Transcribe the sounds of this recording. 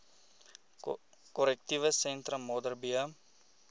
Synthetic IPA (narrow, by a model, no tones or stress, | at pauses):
kɔɾɛk̚tivəsɛnt̪ɾəmɔdərbiə